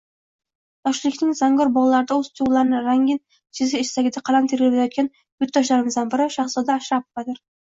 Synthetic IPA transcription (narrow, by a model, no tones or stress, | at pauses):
t̪ɒʃlˠɪkʲnɪŋzaŋɡɒɾbɒlˠalaɾɪd̪aozt̪ʰuwlˠaɾnɪɾaŋɡʲɪn | t͡ʃʰɪzɪɪʃsaɡʲɪd̪aqʰɑlˠamt̪ʰeɾɡʲɪblajɒt̪̚kʲan | b̥ʊt̪̚d̪ɒʃ̬laɾɪmɪzd̪anbɪɾaʃɑχslˠɒd̪aːʃɾap̚qɑd̪ɪɾ